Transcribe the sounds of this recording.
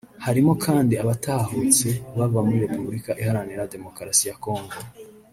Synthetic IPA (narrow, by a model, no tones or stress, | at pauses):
haɾimo̞kʰaːndiaβataːhot͡se̞βavamuɾiɾe̞pubɾikaʔihaɾaniɾade̞mo̞kɾasijako̞ːŋɡo